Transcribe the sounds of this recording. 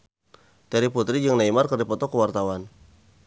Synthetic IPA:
t̪ɛɾiput̪ɾid͡ʒɨŋnaimarkərdipɔt̪ɔkəwart̪awan

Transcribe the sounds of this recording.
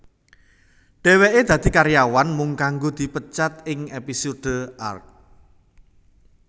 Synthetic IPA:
ɖ̥ɛ̤weʔed̪̥a̤d̪̥i̤kaɾjawanmʊŋkaŋɡod̪̥i̤pət͡ʃat̪ɪŋepisod̥ə̤ʔa̰rk̚

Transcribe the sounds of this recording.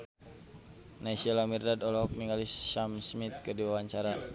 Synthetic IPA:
naisiɔlamirdadɔlɔɦɔk̚niŋalisːamsmit̪̚kɨrdiwawaɲt͡ʃaɾa

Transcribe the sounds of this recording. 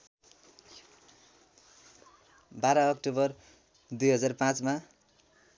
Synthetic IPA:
baɾʌːkʈobʌr | d̪ujɦʌd͡zarpãt͡sma

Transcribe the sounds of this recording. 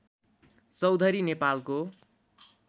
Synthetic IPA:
t͡sʌwd̪ʱʌɾinepalko

